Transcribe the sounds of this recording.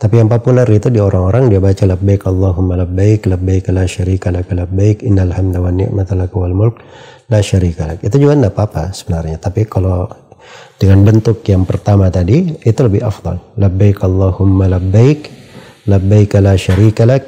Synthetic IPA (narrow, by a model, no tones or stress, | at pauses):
t̪apijaŋpopularit̪udioɾaŋoɾaŋdiabat͡ʃalabːajkɑlˤːɑɦʊmːalabːajklabːajkalaʃaɾikalakalabːajkɪnːalhamd̪awanːɪ̰ʔmat̪lakwalmʊlk̚ | laʃaɾikalakit̪ud͡ʒuɡaəndapapa̰sə̥bənarɲat̪apikalo | d̥əŋanbənt̪ʊkjaŋpərt̪amat̪adiːt̪uləbɪha̰fd̪ɑ̰lːabːajkɑlˠˤːɑhʊmːalabːajk | labːajkalaʃaɾikalak̚